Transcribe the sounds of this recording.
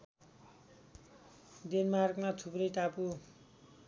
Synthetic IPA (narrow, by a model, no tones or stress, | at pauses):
denmarɡmatʰuprʌjʈapu